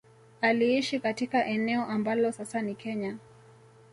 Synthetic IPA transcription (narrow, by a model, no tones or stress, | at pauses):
aliiʃikatikaʔɛnɛɔʔambalɔsasanikɛɲa